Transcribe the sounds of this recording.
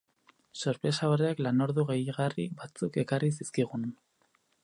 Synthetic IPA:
so̞ɾpɾe̞saoɾeaklano̞ɾðuɣe̞jiɣariβat͡suke̞karis̬iskiɣun

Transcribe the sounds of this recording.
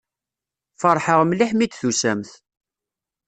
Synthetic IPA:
fəɾˤħəʁmliħmit̪θusæmθ

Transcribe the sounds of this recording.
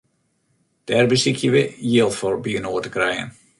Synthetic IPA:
d̥ɛrbəsikʰjəʋəjɪlˠtfɔrbjyənoːətəkrɛjə̰n

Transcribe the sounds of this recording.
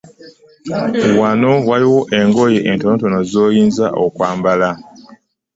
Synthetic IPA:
wano̞waliwo̞ʔe̞ŋɡo̞jeʔentoːnto̞nozoːjiːnzaʔo̰kwaːmbala

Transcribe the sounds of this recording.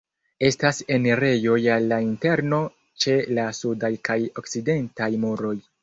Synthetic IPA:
e̞stase̞nɾe̞jo̞jalːainte̞ɾno̞ | t͡ʃe̞lasudajkajo̞k̚t͡side̞ntajmuɾo̞j

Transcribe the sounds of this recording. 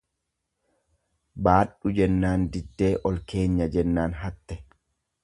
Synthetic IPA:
baːɗːud͡ʒɛnːaːndidːeːʔɔlkeːɲːɐd͡ʒɛnːaːnɦat̪ːɛ

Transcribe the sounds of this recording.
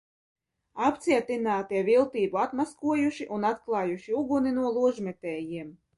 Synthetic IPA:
apt̪siɛt̪inaːt̪iɛvʲilˠt̪iːbuat̪maskuɔjuʃiʔunat̪klˠɑːjuʃiuɡuninuɔlˠuɔʒmʲɛt̪ɛːjiɛm

